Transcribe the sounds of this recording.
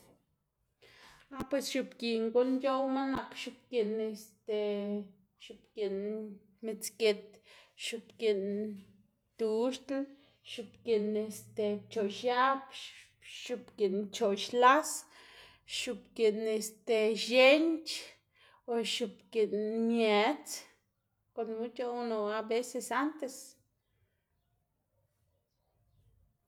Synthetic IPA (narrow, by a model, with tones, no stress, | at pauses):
a˦pwe˧sʃu˧pki˨ŋɡu˦nd͡ʒo˦wma˦na˧kʃu˧pki˧˨ne˧st̪e˧ | ʃu˧pki˨n | mi˧t͡ske˧t̪̚ʃu˧pki˨n | t̪u˧ʃt̪l | ʃu˧pki˨ne˧st̪e˧t͡ʃo˨ʃja˦p | ʃu˧pki˨nt͡ʃo˨ʃla˦s | ʃu˧pke˨ne˧st̪e˨ʃe˦nt͡ʃ | o˧ʃu˧pki˨nmje˧˨t͡s | ko˨nu˦t͡ʃa˦˧no˨a˧be˦se˧sa˦nt̪e˧s